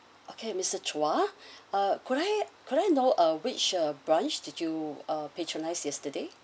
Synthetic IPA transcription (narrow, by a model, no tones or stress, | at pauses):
ʔokʰemistətʰoaʌkʰudajkʰudajnoʔəwɪt͡ʃəbɹãnt͡ʃdidjuəpetʰɹonaɪsjɛstəde